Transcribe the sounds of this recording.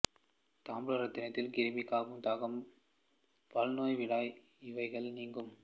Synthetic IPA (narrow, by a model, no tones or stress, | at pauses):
t̪aːmbɯɭɐɾɐd̪ɪnɐt̪ːɪlkɪɾɯmikːaːɣɯmt̪aːɣɐm | pɐlnoːjʋɪɽaːj | ɪʋɐɪɣɐɭniːŋɡɯm